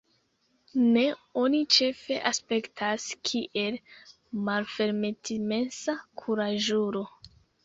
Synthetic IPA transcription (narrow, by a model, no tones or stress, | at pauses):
ne̞o̞nit͡ʃe̞fe̞ʔaspe̞ktʰaskʰiʔe̞l | malfe̞ɾmetʰime̞nsakʰuɾaʒuɾo̞